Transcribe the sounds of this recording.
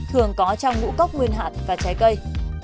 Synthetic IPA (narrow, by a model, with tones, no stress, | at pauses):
t̪ʰɨ˨˩əŋkɔ˨˦t͡ɕɔ˧wŋ͡mŋṵ˧˥kə˦˥wk͡p̚ŋwi˧ənɦa̰ː˧˨˩t̚vaː˨˩t͡ɕaː˨˦jkə˧j